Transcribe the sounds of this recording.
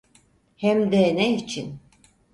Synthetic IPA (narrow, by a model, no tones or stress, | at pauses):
hɛmd̪ɛnɛit͡ʃʰin